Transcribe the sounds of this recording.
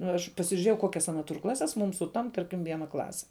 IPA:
nʊ ɪr ɐʃ pɐsʲɪʒʲʊˈrʲeːjɛʊ ˈkoːkʲɛs ˈɑːnɐ tʊr ˈklˠɑːsʲɛs muːm sʊˈtɐmp ˈtɐrʲkʲɪm ˈʋʲiɛnɐ ˈklˠɑːsʲɛ

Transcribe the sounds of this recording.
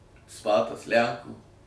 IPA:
ˈspɑːtɐs ˈlʲæŋkuː

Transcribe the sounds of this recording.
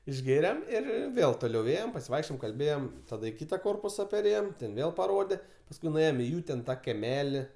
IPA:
ɪʒʲˈɡʲeːrʲɛm ɪr ˈɪr ˈʋʲeːlˠ toːˈlʲɛʊ ˈeːjɛm pɐsʲɪˈʋɐɪkʃʲt͡ʃʲoːjɛm kɐlʲˈbʲeːjɛm tɐˈdɐ ɪ ˈkʲiːtɐ ˈkoːrpʊsɐ pʲɛrʲˈeːjɛm tʲɛn ˈʋʲeːlˠ pɐˈroːdʲɛ pɐsˈkʊɪ nʊˈeːjoːm ɪ ˈjuː tʲɛn ˈtɑː kʲɛˈmʲæːlʲɪ

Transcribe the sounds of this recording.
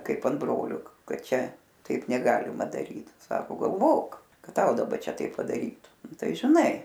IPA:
ˈkɐɪp ɐn ˈbroːlʲoː ˈkɐt ˈt͡ʃʲɛ ˈtɐɪp nʲɛˈɡɑːlʲɪmɐ dɐˈrʲiːt ˈsɑːkoː ɡɐlˠˈʋoːk ˈkɐt ˈtɐʊ dɐˈbɐ ˈt͡ʃʲɛ ˈtɐɪp pɐdɐˈrʲiːtʊ ˈnʊ ˈtɐɪ ʒʲɪˈnɐɪ

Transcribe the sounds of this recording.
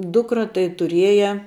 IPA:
ˈdʊkrɐ tɐɪ tʊˈrʲiɛjɛ

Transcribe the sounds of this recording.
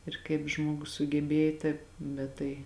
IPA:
ɪr kɐɪp ˈʒmuɔɡʊs sʊɡʲɛˈbʲeːj tɐɪp ˈbʲɛt tɐɪ

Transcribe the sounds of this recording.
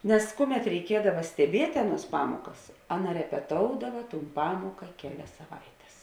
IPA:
nʲɛs ˈkʊˌmʲɛt rʲɛɪˈkʲiɛdɐʋɐ sʲtʲɛˈbʲiɛtʲ ˈɑːˌnuɔs ˈpɑːmuɔkɐs ˈɑːˌnɐ rʲɛpʲɛˈtoːʊdɐʋɐ tuːn ˈpɑːmuɔkɐ ˈkʲæːˌlʲɛs sɐˈʋɐɪtʲɛs

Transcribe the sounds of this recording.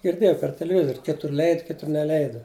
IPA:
ɡʲɪrʲˈdʲeːjɛʊ pʲɛr tʲɛlʲɛˈʋʲɪzoːrʲ ˈkʲɪtʊr ˈlʲɛɪt ˈkʲɪtʊr nʲɛˈlʲɛɪdʊ

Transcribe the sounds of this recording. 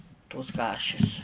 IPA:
toːs ˈkɑːʃʲɪs

